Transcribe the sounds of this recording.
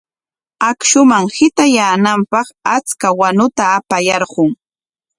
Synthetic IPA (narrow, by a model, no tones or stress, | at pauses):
akʃʊmaŋhɪt̪ajaːnampɑχat͡skawanʊt̪aːpajɑɾɢʊŋ